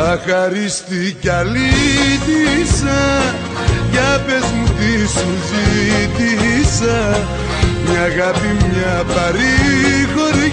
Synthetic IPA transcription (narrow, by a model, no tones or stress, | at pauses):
akaɾist̪ikalid̪isa | japɛsmũt̪isũzid̪iisa | ɲaɣapimɲapaɾikɔɾi